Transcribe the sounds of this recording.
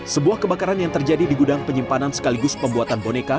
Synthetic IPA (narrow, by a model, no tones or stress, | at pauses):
səbuahkəbakaɾanjaŋt̪ərd͡ʒadidiɡudaŋpəɲimpanansə̥kaliɡʊspəmbuat̪anboneka